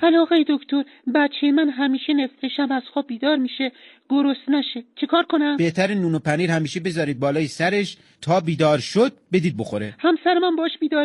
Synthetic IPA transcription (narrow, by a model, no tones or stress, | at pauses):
ælɒːɣejed̪okʰt̪ʰo̞ɾ | bæt̪t͡ʃʰːejemænɦæmiːʃenefɾeʃæmæzxoːb̚biːd̪ɒːɾmiːʃe | ɡ̥oɾost̪næʃet͡ʃʰekʰɒːɾkʰonæmb̥eht̪ʰæɾenuːnopʰæniːɾhæmiːʃebe̞zɒːɾiːd̪̚bɒːlɒːjesæɾeʃ | t̪ʰɒːbiːd̪ɒːɾʃod̪̥̚be̞d̪iːd̪̚boxoɾḛhæmsæɾemæmbɒːʃbiːd̪ɒːɾ